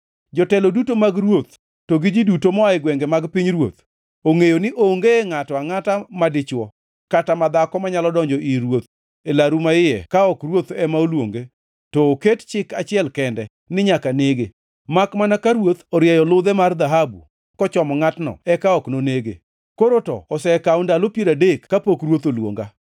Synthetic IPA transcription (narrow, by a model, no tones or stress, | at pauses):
d͡ʒɔtɛlodutomaɡrwot̪ | toɡɪd͡ʒidutomɔaɪɡwɛŋɡɛmaɡpiɲɾwo̰t̪ | oŋejonɪʔoŋɡeŋatɔaŋatamadɪt͡ʃwɔ | katamad̪akɔmaɲalɔdɔɲd͡ʒɔʔiɾwot̪̚ | elaɾumaɪjɛ̰kaɔkrwot̪ɛmaolwo̰ŋɡe | tɔːkett͡ʃɪkat͡ʃɪɛlkɛndɛ | nɪɲakaneɡe | makmanakaɾwot̪ɔɾjɛjɔlʊd̪ɛmard̪aɦabṵ | kɔt͡ʃɔmɔŋatnɔ̰ɛkaɔknoneɡḛ | koɾotɔ̰ɔsɛkaɔndalopjeɾadekːapokɾwot̪olwo̰ŋɡa